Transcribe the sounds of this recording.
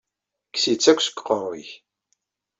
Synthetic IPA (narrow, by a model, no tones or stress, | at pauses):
ksit͡sːækʷːsə̥kːqɔrˤːḭç